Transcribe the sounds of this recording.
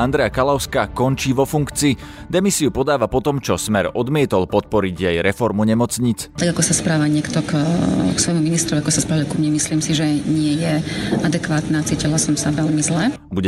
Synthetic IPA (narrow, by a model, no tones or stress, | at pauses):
and̪ɾɛjakalaʊskakɔnt͡ʃiːʋɔfuŋkt͡siːd̪ɛmisiupɔd̪aːʋapɔt̪ɔmt͡ʃɔsmɛɾɔd̪mɪɛt̪ɔlpɔt̪̚pɔɾiɟjɛjɾɛfɔɾmuɲɛmɔt͡sɲit͡st̪aɡakɔsaspɾaːʋaɲɪɛkt̪ɔkksʋɔjmuminist̪ɾɔʋiakɔsaspɾaːʋalkumɲɛmisliːmsiʒɛɲɪɛjɛʔad̪ɛkʋaːt̪naːt͡siːcilasɔmsaʋɛʎmizlɛ | buɟɛ